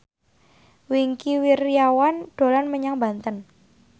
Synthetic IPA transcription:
wiŋkiwirijawanɖ̥o̤lanməɲaŋba̤nt̪ən

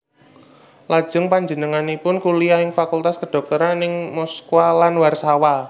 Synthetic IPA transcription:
lḁʒ̥ʊ̤ŋpaɲd͡ʒənəŋanipʊnkuliaɪŋfakult̪askəɖ̥ɔ̤k̚t̪ɔɾanɪŋmɔskualanwarsawa

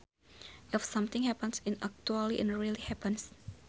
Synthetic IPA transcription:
ʔɪfsʌ̃mt̪ɪ̃ŋhɛpə̃nsɪ̃nʔa̰k̚t͡ʃualiʔɛ̃nɹilihɛpə̃ns

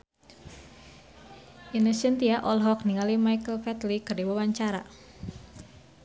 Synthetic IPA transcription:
inəsənt̪iaʔɔlɦɔk̚niŋalimajkəlfɛt̪likərdiwawaɲt͡ʃaɾa

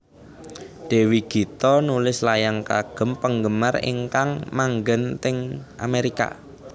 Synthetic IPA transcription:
ɖ̥e̤wiɡ̥i̤t̪ɔnulɪslajaŋkaɡ̥ə̤mpəŋɡəmarɪ̰ŋkaŋmaŋɡənt̪ɪŋʔa̰meɾika̰

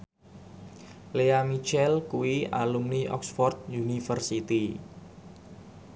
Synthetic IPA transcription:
leamit͡ʃɛlkuwia̰lumniʔɔ̰ksfɔrt̪̚junifərsit̪i

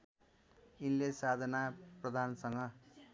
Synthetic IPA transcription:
inlesad̪ʱʌnaprʌd̪ʱansʌŋɡʌ

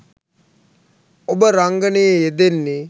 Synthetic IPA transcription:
obəɾaŋɡənejeed̪enːe

